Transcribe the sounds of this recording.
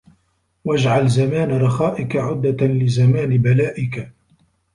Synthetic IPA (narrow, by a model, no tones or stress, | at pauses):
wad͡ʒʕalzamaːnɾˤɑxaːʔɪkaʕʊd̪ːalɪzamaːnbalaːʔɪka